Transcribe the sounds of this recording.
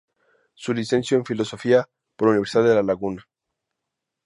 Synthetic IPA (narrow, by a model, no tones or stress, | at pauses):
sulise̞nsjoẽɱfilo̞so̞fia | poluniβeɾsiðaððelalaɣuna